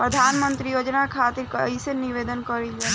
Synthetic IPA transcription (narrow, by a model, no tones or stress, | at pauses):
pɾəd̪ʱaːnmə̃nt̪ɾijoːd͡ʒnakʰaːt̪ɪɾkɐisenɪʋeːd̪ənkəɾid͡ʒaː